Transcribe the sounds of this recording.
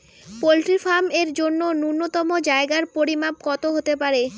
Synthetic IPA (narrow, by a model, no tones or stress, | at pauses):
polʈɾifameɾd͡ʑonːonunːot̪ɔmod͡ʑaeɡaɾpoɾimap̚kɔt̪oɦot̪epaɾe